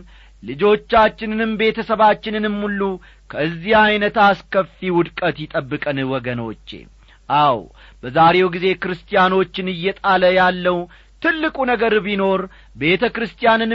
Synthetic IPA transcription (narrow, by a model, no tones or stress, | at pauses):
lɨd͡ʒo̞t͡ʃːat͡ʃːɪnɨnɨmbe̞t̪ʰəsəβat͡ʃːɪnɨnɨmːulːu | kʰəɨzːihajnət̪askəfiwʊd̪kʼət̪jɪt̪ʼəbːɨkʼənɨwɔɡəno̞̰t͡ʃːḛ | ʔaw | b̥əzaɾe̞wɡize̞kɨɾɨst̪ʼijano̞t͡ʃːɪnɨjːɛt̪ʼaləjalːəw | t̪ʰɨlːɨkʼunəɡəɾbino̞ɾ | be̞t̪ʰəkɾɨst̪ʼijanɨn